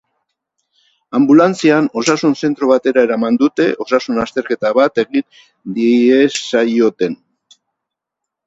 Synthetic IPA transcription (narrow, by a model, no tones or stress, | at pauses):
ambulant͡siano̞sasunse̞nt̪ɾo̞β̞at̪e̞ɾae̞ɾamand̪ut̪e̞ʔo̞sasunast̪e̞ɾke̞t̪aβat̪e̞ɣin | d̪iesajo̞t̪e̞n